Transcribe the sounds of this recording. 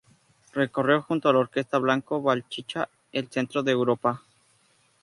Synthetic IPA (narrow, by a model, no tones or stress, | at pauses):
re̞ko̞rjoxunt̪oaloɾke̞st̪aβlaŋkoβalt͡ʃit͡ʃa | else̞nt̪ɾoðeːwɾopa